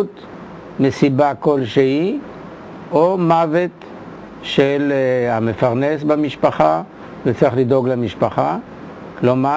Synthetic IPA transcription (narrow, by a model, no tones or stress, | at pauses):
t̪ | mesibako̞lʃehi | omavet̪ | ʃelamefaʁnesbamiʃpaχa | vet͡siiχlido̞ɡlemiʃpaχa | kloma